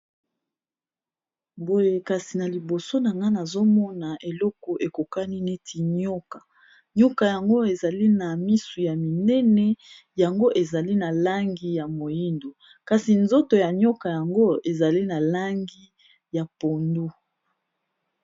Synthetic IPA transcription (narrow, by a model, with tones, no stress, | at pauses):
bo˦je˨ka˨si˨na˨li˨bo˨so˦na˨ŋɡa˦na˨zo˦mɔ˦na˨e˨lɔ˦kɔ˨ʔe˨ko˨ka˦ni˦ne˦tʰi˨ɲɔ˦ka˨ | ɲo˦ka˨ja˨ŋɡo˦e˨za˨li˦na˨mi˦su˨ja˨mi˨nɛ˦nɛ˦ | ja˨ŋɡo˦ʔe˨za˨li˦na˨la˦ŋɡi˦ja˨mo˨ji˦ndo˨ | ka˨si˨nzo˦to˨ja˨ɲɔ˦ka˨ja˨ŋɡo˦e˨za˨li˦na˨la˦ŋɡi˦ | ja˨po˨ndu˦